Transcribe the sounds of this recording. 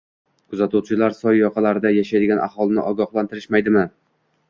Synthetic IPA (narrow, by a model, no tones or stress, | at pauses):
kʰʊzat̪uwt͡ʃʰɪlaɾsɒjjɒqʰɑlaɾɪd̪ajaʃajd̪ɪɡʲanʔa̰hɒlˠɪnɪ̰ʔɒɡɒχlˠant̪ʰɪɾɪʃmajd̪ɪmɪ